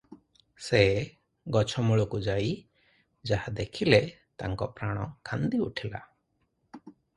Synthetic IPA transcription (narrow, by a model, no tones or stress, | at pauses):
sɛ | ɡɔt͡ʃʰɔmɔɭukud͡ʒai | d͡ʒahad̪ɛkʰilɛ | t̪a̰ŋkɔpɾaɽ̃ɔ̃kʰand̪iṵʈʰɛla̰